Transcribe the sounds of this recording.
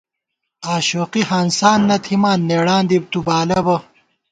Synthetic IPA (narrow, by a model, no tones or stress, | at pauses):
aːɕoːqiɦaːnsaːnːɐt̪ʰimaːnːeːɽaːnd̪ib̚t̪ubaːlɐbɐ